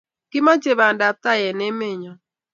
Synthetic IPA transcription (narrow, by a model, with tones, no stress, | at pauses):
kɪ˦ma˦t͡ʃe˨βa˨nda˨ta˦˨jɛ˨ne˦me˦˨ɲɔ˦